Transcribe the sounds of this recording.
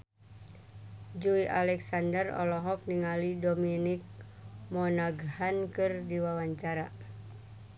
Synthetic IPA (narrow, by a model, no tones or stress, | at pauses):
d͡ʒuiʔalɛksandərɔ̰lɔɦɔk̚niŋalidominik̚mɔnaɡhankɨrdiwawaɲt͡ʃaɾa